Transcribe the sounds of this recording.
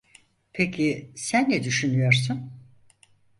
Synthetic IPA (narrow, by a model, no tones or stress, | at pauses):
pʰecʰisænːɛd̪yʃynyjo̞ɾsun